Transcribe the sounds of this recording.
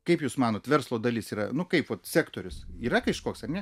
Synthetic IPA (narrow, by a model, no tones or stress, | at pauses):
kɐɪpjuːsmɑːnoːt̪ʋʲɛrslˠoːd̪ɐlʲiːsiːɾɐ̰nʊkɐɪpʋɐt̪sʲæːkt̪oːɾʲʊsiːɾɐkɐɪʃkoːksɐrnʲɛ